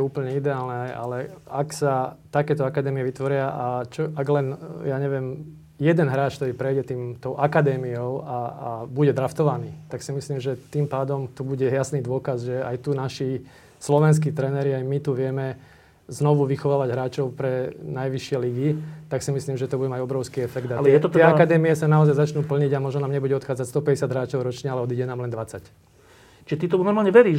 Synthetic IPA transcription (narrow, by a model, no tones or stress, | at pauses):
uːpl̩ɲɛid̪ɛaːlnɛa̰lɛaksat̪akɛːt̪ɔakad̪ɛːmiɛʋit̪ʋɔɾɪaʔat͡ʃɔaɡlɛnjaːɲɛʋɛm | jɛd̪ɛnɦɾaːt͡ʃkt̪ɔɾiːpɾɛjɟɛt̪iːmt̪ɔʊʔakad̪ɛːmiɔʊabuɟɛd̪ɾaft̪ɔʋaniːt̪aksimisliːmʒɛt̪iːmpaːd̪ɔmt̪ubuɟɛjasniːd̪ʊɔkazʒɛajt̪unaʃi | slɔʋɛns̬kiːt̪ɾɛnɛɾiajmit̪uʋɪɛmɛ | znɔʋuʋixɔʋaːʋaɟɦɾaːt͡ʃɔʊpɾɛnajʋiʃɪɛliɡit̪aksimisliːmʒɛt̪ɔbuɟɛmaɟɔbɾɔʊskiːɛfɛɡd̪aɛt̪ɔt̪ɛɪɛakad̪ɛːmiɛsanaɔzajzat͡ʃnuːpl̩ɲiɟamɔʒnɔnaːmɲɛbuɟɛɔt̪xaːd͡zacst̪ɔpɛɟɛsɪjad̪ɦɾaːt͡ʃɔʊɾɔt͡ʃɲɛalɛɔd̪iɟɛnaːmlɛnd̪ʋat͡sac | t͡ʃiʒɛt̪it̪ɔunɔɾmaːlɲɛʋɛɾiː